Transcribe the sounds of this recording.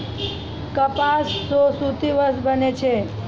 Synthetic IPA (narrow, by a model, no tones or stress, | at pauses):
kəpasːosut̪iʋəsbʱənet͡ʃʰe